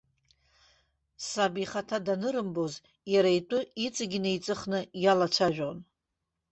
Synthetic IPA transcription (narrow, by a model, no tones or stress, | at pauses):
sabiχatʰadanɨɾɨmboz | jaɾaitʷʼʊit͡sʼɨɡʲɪnejt͡sʼɨχnɨjalat͡ʃʷʰaʒᶣon